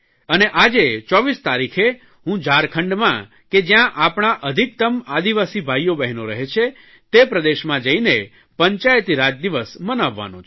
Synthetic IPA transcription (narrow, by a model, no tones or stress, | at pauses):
əneʔad͡ʒet͡ʃɔʋist̪aɾikʰe | ɦũd͡ʒaɾkʰəɳɖmã | ked͡ʒjãʔapɳaʔəd̪ʱik̚t̪əmad̪iʋasibʱajːobɛɦnoɾəɦet͡ʃʰe | t̪epɾəd̪eʃmãd͡ʒəine | pəɲt͡ʃajət̪iɾad͡ʒd̪iʋəsmənaʋːa̰nũt͡ʃʰ